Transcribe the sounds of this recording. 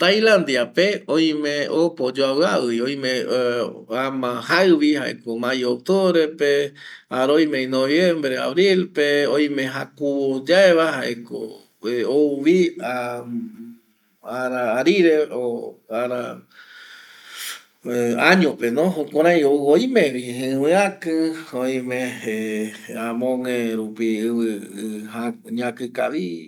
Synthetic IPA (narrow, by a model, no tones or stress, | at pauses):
t̪ajlãnd̪iapeõj̃mẽopod͡ʒoaβɨaɨjoj̃mẽ | amãhaɨβihaʔḛkomãjok̚t̪oβɾe̞peaɾojmẽj̃noβjẽmbɾea̰βɾilpeõj̃mẽ̞ɦakuβod͡ʒaeβaɦaʔeko̰ | ouβia | aɾaːɾiɾeoaɾa | aɲõpenõɦõkʷãɾãj̃oojmẽβiɨ̃wẽakɨoj̃mẽeãmõŋẽɾupiɨβɨhaɲãkɨka̰βi